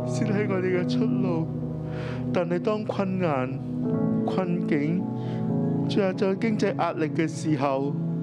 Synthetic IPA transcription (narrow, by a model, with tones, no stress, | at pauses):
siː˥nɦɐ˨˧jŋɔː˨˧t̪e˨jkɛ˧t͡sʰɵ˥t̚lo˨˧w | t̪aː˨˩ne˨˧jt̪ɔː˥ŋkʰɐ˧nŋaː˨˩n | kʰɐ˧nkɪ˨˥ŋ | t͡sy˧˥aː˨˩t͡sɔ˨˧˩kɪ˥ŋt͡sɐ˧jʔaː˧t̚lɪ˨kːɛː˧siː˨˩ɦɐ˨w